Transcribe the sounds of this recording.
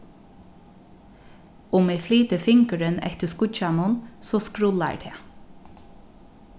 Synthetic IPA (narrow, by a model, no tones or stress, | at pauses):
ʊmɪfliːt̪əfɪŋkəɾɪnɛ̰ht̪əskʊt͡ʃanʊnsɔːskɾʊla̰ɹt̪ʰeː